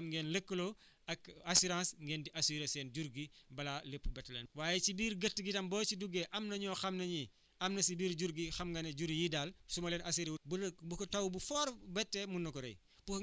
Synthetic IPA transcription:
mŋɡɛːnləkːəlo | ɐkɐsiɾãːsŋɡɛːndiʔasiɾesɛːnd͡ʒuɾɡibɐlaləpːbɛtlɛ̰nwaːjɛt͡ʃibiːɾɡətːɡitɐmbɔːt͡ʃiduɡeʔɐmnɐɲɔːxɐmnɐɲi | ɐmnɐsibiːɾɟuɾɡixɐmɡɐnɐɟuɾijidaːlsumɐlɛːnʔɐs̬iɾbubukɐtɐwbufɔːɾbɛtːɛmunːɐkɔɾɐ̰j | pu

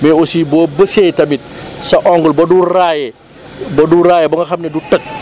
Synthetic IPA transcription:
mɛosiboːbəsejtɐmit̚sɐʔɔŋɡɔlbɐdurajɛ | bɐduraːjɛbɐŋɡɐxɐmnɛdutɐk̚

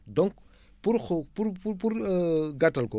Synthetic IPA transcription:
dɔŋk | puɾxɔpuɾpupuɾɡɐtːɐlkɔ

